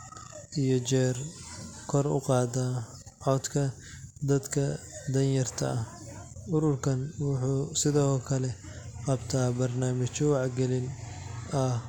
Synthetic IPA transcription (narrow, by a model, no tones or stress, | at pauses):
ʔijɔt͡ʃɛːrkʰɔrʊ̰qɑːdaʕɔd̪kʰɐ | d̪ɐd̪kʰɐd̪ɐnjɐrt̪ʰɐ̰ɐh | ʊɾʊrkʰɐnwʊħuːsɪðɔːkʰɐlɛqɑbt̪ʰaːbɐrnaːmɪt͡ʃɔwɑʕɡɛlɪnʔɐh